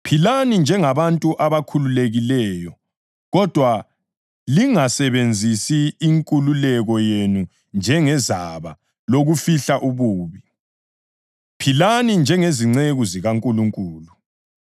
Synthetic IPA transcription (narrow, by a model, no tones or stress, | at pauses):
pʰilanind͡ʒʱɛŋaβantʼuʔaβakʰululeɣilɛːjɔ | ɣɔd̥ʱwa | liŋasɛβend͡zʱisiːŋkʼululɛɣɔjenu | nd͡ʒʱɛŋɛzaβa | loɣufiɬaʔuβuːβi | pʰilanind͡ʒʱɛŋeziŋ͡ǀeɣuziɣaŋkʼuluŋkʼuːlu